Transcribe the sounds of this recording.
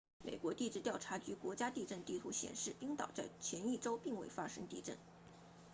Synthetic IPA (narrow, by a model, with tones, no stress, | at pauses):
mḛ˨˩ɪkwɔ˧˥t̪i˥˧ʈ͡ʂɻ̩˥˧t̪jɑ˥˩ʊʈ͡ʂʰa˧˥t͡ɕy˧˥kwɔ˧˥t͡ɕja˥t̪i˥˧ʈ͡ʂə˥˧nt̪i˥˩t̪ʰu˧˥ɕjɛ̰˨˩nʂɻ̩˥˩i˥ŋt̪ɑ̰˨˩ʊt͡sa˥˩ɪt͡ɕʰjɛ˧˥ni˥˩ʈ͡ʂo˥ʊpi˥˧ŋwe˥˩ɪfa˥ʂɤ̰˥ŋt̪i˥˧ʈ͡ʂə̰˥˩n